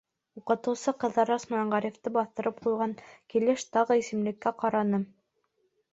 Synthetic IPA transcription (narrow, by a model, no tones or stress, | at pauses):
uqɤ̆t̪ɤ̆wsɤqɤ̆ðɑɾɑsmɑɑɴʁɑɾjĕft̪ɤbɑθt̪ɤ̆ɾɤp̚qujʁɑŋkilɘʃt̪ɑʁɤisɘ̆mlɘ̆kːæqɑɾɑnɤ